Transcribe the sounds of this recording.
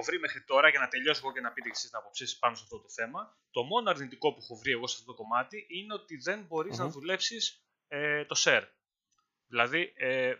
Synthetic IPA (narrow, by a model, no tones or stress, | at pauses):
ovɾime̞xɾit̪o̞ɾɐʝɐnɐt̪e̞ʎo̞seɣocenɐpit̪ecesiznɐpo̞psisi̥spɐnosɐft̪o̞t̪o̞θe̞mɐ | t̪o̞mo̞noɐɾðnit̪iko̞puxovɾie̞ɣo̞sɐft̪ot̪o̞ko̞mɐt̪iʔine̞o̞t̪iðe̞nbo̞ɾizznɐðule̞psis | et̪o̞se̞ɾ | ðilɐði